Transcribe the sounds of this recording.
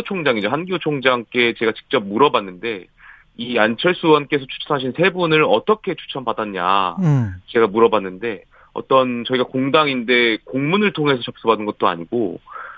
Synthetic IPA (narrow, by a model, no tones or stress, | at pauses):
t͡ɕʰoŋd͡ʑaŋid͡ʑoɦanɡijot͡ɕʰoŋd͡ʑaŋk͈e̞t͡ɕe̞ɡat͡ɕi̥k̚t͡ɕ͈ʌp̚muɾʌbanːɯnde̞ | iant͡ɕʰʌɭs͈uwʌnk͈e̞sʰʌt͡ɕʰu̥t͡ɕʰʌnɦaɕ̬ʰinsʰe̞bunɯɾʌt͈ʌkʰe̞t͡ɕʰu̥t͡ɕʰʌnbadaɲɲa̰ | t͡ɕe̞ɡamuɾʌbanːɯnde̞ | ʌ̰t͈ʌnt͡ɕʌiɡakoŋdaŋinde̞koŋmunɯɭtʰoŋɦe̞sʰʌt͡ɕʌp̚s͈ʌbadɯnɡʌt̚t͈oa̰ɲiɡ̥o̰